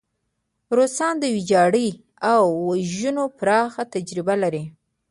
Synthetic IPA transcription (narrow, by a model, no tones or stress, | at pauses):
ɾosɑnd̪əwid͡ʒɑɽi | awːaʒunopɾɑxat̪ad͡ʒɾɪbalaɾi